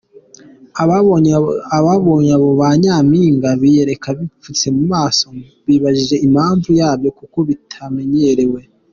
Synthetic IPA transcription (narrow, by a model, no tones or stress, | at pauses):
aβaβoɲaβo̞βaɲaːmiːŋɡaβije̞ɾe̞kaβifut͡se̞mumaːso̞ | βiβaʒiʒe̞ʔimhaːɱvujaːbjo̞kuko̞βitʰame̞ɲe̞ɾe̞we̞